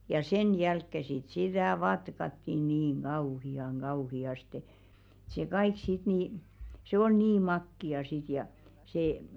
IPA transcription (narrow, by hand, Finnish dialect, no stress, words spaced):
jɑ sen jælkːe sit sitæˑ ʋɑtkɑtːi niːŋ ɡ̊ɑuhiɑŋ ɡ̊ɑuhiɑste ĕ̥t se kɑik sit niˑ se ol niː mɑkːiɑ sit jɑ seː